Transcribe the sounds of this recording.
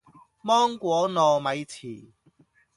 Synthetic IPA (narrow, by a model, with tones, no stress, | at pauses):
mɔː˥ŋkʷɔː˨˥nɔː˨mɐ˨˧jt͡sʰiː˨˩